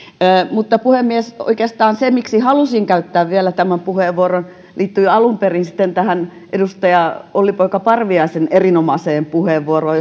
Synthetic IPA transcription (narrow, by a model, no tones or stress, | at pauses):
mut̪ːɑpuhemːieso̰ikeːst̪ɑːnsemiksihɑlusiŋkæyt̪ːæːʋʋielæt̪æmæmpuheˑʋːuoron | liːt̪ːyːɑlumperinsi̥t̪ːent̪æhænʔedust̪ɑjɑolːipoikɑpɑrʋiɑisenerinomɑseːmpuheːʋːuoroː